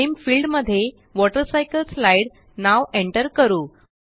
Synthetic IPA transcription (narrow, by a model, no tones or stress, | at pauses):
mfiːlɖməd̪ʱːje | ʋɔʈəɾsajkəlslajɽ | naʋeɳʈəɾkəɾuː